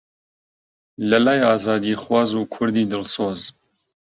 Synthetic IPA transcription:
lɐlaːjaːzaːd̪ixwɑːzuːkʰʊɾd̪iːd̪ɨlsoːz

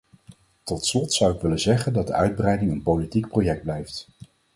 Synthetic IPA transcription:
tɔtslɔtsʌwɪkʋɪlənzɛχəndɑd̚dəœɥd̚brɛjdɪŋənpolitik̚projɛk̚d̚blɛjft

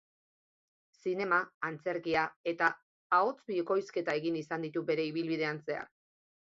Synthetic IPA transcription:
sine̞maːnt͡se̞ɾkiae̞t̪aː | o̞t͡sbiko̞jske̞t̪ae̞ɣinisand̪it̪ube̞ɾe̞iβilβið̞e̞ant͡se̞a̰k

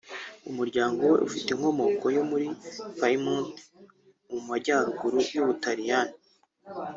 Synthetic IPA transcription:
umuɾɟaːŋɡo̞we̞̰ʔufiteŋ̥ho̞mo̞ko̞jo̞muɾifaimunt | umumaɟaːɾuɡuɾujuβutaɾijan

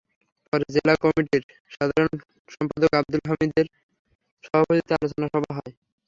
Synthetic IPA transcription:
pɔɾed͡ʑelakɔmiʈiɾ | ʃad̪ʱaɾon | ʃɔmpad̪okab̚d̪ulɦamid̪eɾ | ʃɔbʱapot̪it̪oalot͡ɕonaʃɔbʱaɦɔe

